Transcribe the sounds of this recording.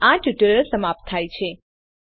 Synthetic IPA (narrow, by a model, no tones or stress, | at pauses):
ãʈjuʈələɭsəmap̚t̪ʰːajt͡ʃʰe